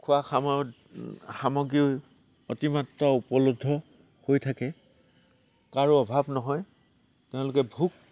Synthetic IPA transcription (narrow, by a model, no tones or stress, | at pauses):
kʰʊaxamɔ | xamɔɡiʊ | otimatːaupɔlodʱːɔ | hojtʰakɛ | kaɹuɔbʱabnɔɦɔj | tɛʊ̃lʊkɛbʱuk̚